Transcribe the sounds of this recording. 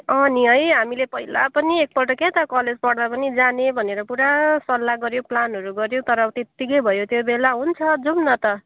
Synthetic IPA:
ʌniʌjɦamilepʌɦila̰pʌniek̚pʌʈʌket̪ʌkʌled͡zpʌɽd̪apʌnid͡zanebʱʌneɾʌpuɾasʌlːaɡʌɾjoplanɦʌɾuɡʌɾjõt̪ʌɾʌt̪et̪ːikʌjbʱʌjot̪jobelaɦunt͡sʰʌd͡zumnʌt̪ʌ

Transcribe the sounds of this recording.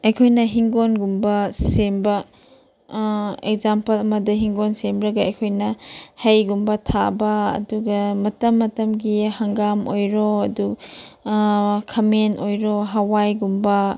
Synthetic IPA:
ɐjkʰojnɐɦiŋɡonɡumbɐsembɐ | ek̚zampɐlɐmɐdɐɦiŋɡonsembɾɐɡɐɐjkʰojnɐhɐjɡumbɐtʰabɐ̰ːduɡɐmɐtɐmːɐtɐmɡihɐŋɡamojɾoɐdu | kʰɐmenojɾoɦawajɡumbɐ

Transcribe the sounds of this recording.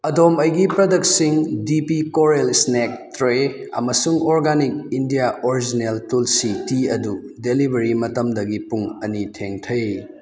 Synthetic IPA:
ɐdomɐjɡipɾɐdɐksiŋdipikoɾelsnek̚tɾe | ɐ̰mɐsuŋoɾɡanik̚indijaʔoɾid͡ʒineltulsitiɐdu | delibɐɾimɐtɐmdɐɡipuŋɐnitʰeŋtʰɐj

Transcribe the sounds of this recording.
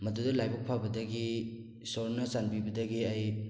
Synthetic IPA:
mɐdudɐlajbɐk̚pʰabɐdɐɡi | sɔɾnɐsanpibɐdɐɡiaj

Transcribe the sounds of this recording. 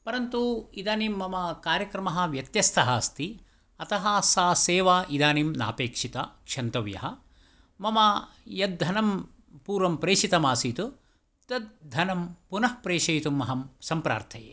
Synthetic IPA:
pɐɾɐnt̪uid̪aːniːmːɐmɐkaːɾjɐkɾɐmɐɦɐ̆ʋjɐt̪jɐst̪ʰɐɦɐst̪i | ɐt̪ɐɦasaːseːʋaːʔid̪aːnimna̰ːpeːkʂit̪ɐkʂɐnt̪ɐʋjɐ̰ɦɐ | mɐmɐjɐd̪̚d̪ʱɐnɐm | puːɾʋɐmpɾeːʂit̪ɐmaːsiːt̪u | t̪ɐd̪̚d̪ʱɐnɐmpunɐhpɾeːʂɐjt̪umːɐɦɐmsɐmpɾa̰ːɾt̪ʰɐjḛː

